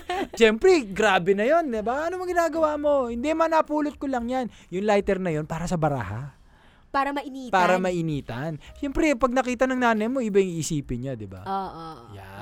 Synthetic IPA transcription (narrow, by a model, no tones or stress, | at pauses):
ʃɛmpɾɛɡɾaːbɛnɐjo̞nd̪ɪbaʔɐnomɐŋɡɪnaːɡɐwaːmo̞hɪnd̪ɛmɐnɐpuːlot̪̚kolɐŋjan | jʊŋlajt̪ɛɾnɐjo̞npaːɾɐsɐbɐɾa̰ha̰ | paːɾɐmɐʔɪniːpaːɾɐmɐʔɪniːt̪ɐnʃɛmpɾɛpɐɡ̚nɐkiːt̪ɐnɐŋnaːnɐjmo̞ʔɪbajʊŋiʔsiːpɪnɲad̪ɪba̰oʔoja̰